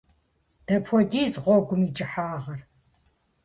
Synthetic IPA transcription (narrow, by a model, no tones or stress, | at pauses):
d̥ɐpʰʷɔdiːzʁʷɔɡʷʊmit͡ʃʼɪħaːʁɐr